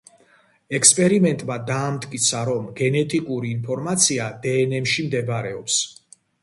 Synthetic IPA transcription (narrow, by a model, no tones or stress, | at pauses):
ɛkspʼɛɾimɛnt̪ʼmad̪aːmt̪ʰʼkʼit̪sʰaɾɔmɡɛnɛt̪ʼikʼuɾiːnpʰɔɾmat̪sʰiad̪ɛːnɛmʃimd̪ɛbaɾɛɔps